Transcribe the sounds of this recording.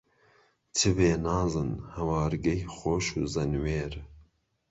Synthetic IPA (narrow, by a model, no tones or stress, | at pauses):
tʰɨbeːnɑːzɨnhɐwɑːɾɡɛjxʷoːʃṵːzɐnweːɾ